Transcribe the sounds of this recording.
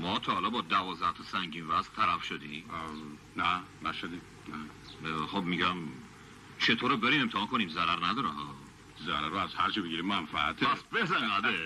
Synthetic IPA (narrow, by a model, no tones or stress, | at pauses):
mɒːt̪ʰɒːhːlɒbɒːd̪ævɒːzd̪æht̪ʰɒsæŋɟiːnvæzt̪ʰælæfʃod̪ĩːm | næ | næʃod̪i | næ | χobmiɟæm | t͡ʃʰet̪ʰoːɾobeɾiːmemt̪ʰehɒːnkʰoniːmzæɾæɾnæd̪ɒːɾæhɒː | zæɾæɾoæzhæɾt͡ʃʰibeɡiɾimmænfæːt̪ʰeæsbezæɡæd̪e